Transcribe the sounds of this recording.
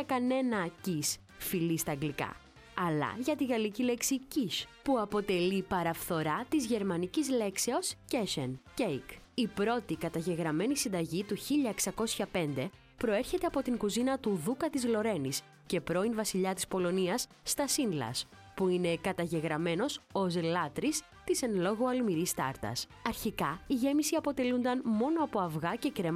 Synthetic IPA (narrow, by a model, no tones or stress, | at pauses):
ɐkɐne̞nɐcis | filist̪ɐːŋɡlikɐ̰ | ɐlɐ̰ʝɐt̪iɣɐlicile̞ksiciʃpuɐpo̞t̪e̞lipɐɾɐfθo̞ɾɐt̪izʝe̞ɾmɐnicizle̞kse̞o̞sceʃencejkipɾo̞t̪ikɐt̪ɐʝe̞ɣɾɐme̞nisind̪ɐʝit̪uçiʎɐeksɐko̞sçɐpe̞nd̪e̞ | pɾo̞e̞ɾçe̞t̪e̞ɐpo̞t̪iŋɡuzinɐt̪uðukɐt̪izlo̞ɾe̞nis | ce̞pɾo̞invɐsiʎɐt̪ispo̞lo̞niɐsːt̪ɐsinlɐ̰s | puine̞kɐt̪ɐʝe̞ɣɾɐme̞no̞sozelɐt̪ɾis | t̪ise̞nlo̞ɣoɐlmiɾist̪ɐɾt̪ɐ̰s | ɐɾçikɐiʝe̞misiɐpo̞t̪e̞lund̪ɐnmo̞no̞ɐpo̞ɐvɣɐce̞kɾe̞m